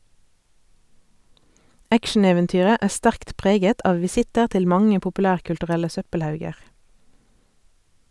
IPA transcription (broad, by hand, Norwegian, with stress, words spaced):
ˈækʃn̩eːʋɛnˌtyːʁə ˈæː ˈstæʁkt ˈpʁeːɡət ˈɑːʋ ʋɪˈsɪtəʁ ˈtɪl ˈmɑŋə pʊpʉˈlæːʁkʉltʉˌʁɛlə ˈsœpəlˌhɑʉɡəʁ